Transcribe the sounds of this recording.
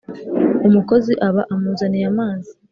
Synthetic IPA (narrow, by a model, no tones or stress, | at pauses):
umuko̞ziʔaβaʔamuːzanijamaːzi